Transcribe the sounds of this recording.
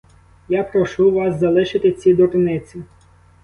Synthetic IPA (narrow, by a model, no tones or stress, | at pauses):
japɾɔʃuʋɑszɐlˠɪʃɪt̪ɪt͡sʲid̪ɔɾnɪt͡sʲi